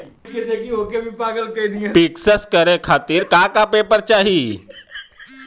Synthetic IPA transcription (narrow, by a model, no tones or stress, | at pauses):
ked̪ekiokebʱipaːɡəlkəid̪iẽpɪksəskəɾekʰaːt̪iɾkaːkapeːpəɾt͡ʃaːɦi